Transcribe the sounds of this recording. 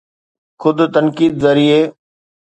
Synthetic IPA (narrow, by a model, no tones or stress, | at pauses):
xʰʊd̪ʱt̪ənkiːd̪zɐɾieː